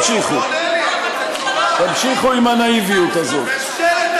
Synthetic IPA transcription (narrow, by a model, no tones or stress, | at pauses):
ʃiχu | t̪amʃiχuimanaivijut̪azo̰t